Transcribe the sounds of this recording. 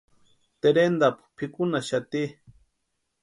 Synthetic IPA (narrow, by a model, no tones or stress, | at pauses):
t̪eɾend̪appʰikunaʃat̪i